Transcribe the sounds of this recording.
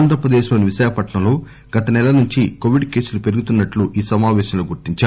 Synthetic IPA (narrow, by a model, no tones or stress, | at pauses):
nd̪ʱɾɐpɾɐd̪eːʃloːniʋiʃaːkɐpɐʈɳɐloː | ɡɐt̪ɐnɛlɐnuɲt͡ʃikoːʋiɖke̞ːsulupe̞ɾuɡut̪unːɐʈluʔiːsɐmaːʋɛːʃɐmloːɡuɾt̪iɲt͡ʃaː